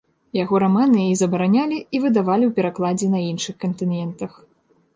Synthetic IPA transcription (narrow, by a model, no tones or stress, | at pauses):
jaɣɔɾamanɨizɐbɐɾanʲalʲiivɨd̪avalʲiwpʲɛɾaklˠad͡zʲɛnɐinʂɨxkɐnt̪ɨnjɛnt̪ɐx